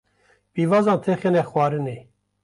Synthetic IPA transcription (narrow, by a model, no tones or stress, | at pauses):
pivɑːzɑ̃ːnt̪ʰexenɛxwaːɾɨneː